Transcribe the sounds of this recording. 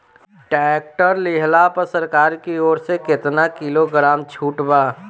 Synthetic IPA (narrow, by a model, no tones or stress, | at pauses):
ɖɛk̚ʈəɾlɪɦlapəɾsəɾkaːɾkioːɾsekɪt̪nakɪloɡɾaːmt͡ʃʰuːʈbaː